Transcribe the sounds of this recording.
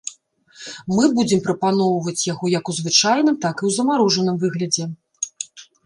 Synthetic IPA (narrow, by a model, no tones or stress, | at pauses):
mɨbud͡zʲɛmpɾɐpanɔwvɐt͡sʲjaɣɔjɐkuzvɨt͡ʂajnɨmt̪akiwzɐmaɾɔʐɐnɨmvɨɣlʲɐd͡zʲɛ